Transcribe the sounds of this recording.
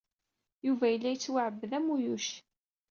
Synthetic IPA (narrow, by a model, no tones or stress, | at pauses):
juvæjəlːæjət͡sːwaʕəbːðæmːujuʃ